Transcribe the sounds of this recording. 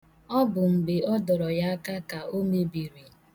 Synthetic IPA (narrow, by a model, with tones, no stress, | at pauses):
ɔ˦bʊ˨m̩˨bɪ˨ɔ˦dɔ˨ɾɔ˨ja˦ka˦ka˨ʔo˦me˨bi˨ɾi˨